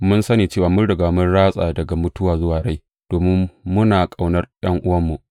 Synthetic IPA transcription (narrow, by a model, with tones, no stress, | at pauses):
mʊ˦nsɐ˦niː˨t͡ʃeː˦˨waː˨mʊ˦nɽɪ˨ɡaː˨mʊ˦nɽaː˦sʼa̰ː˨dɐ˨ɡa˨mʊ˦tʊ˦waː˨zʊ˦waː˨ɽa˦j | d̥oː˨mɪ˦mːʊ˦naː˨kʼa˨wnɐ˦rjɐ˦ŋʔʊ˦wɐ˦mːu˨ʔ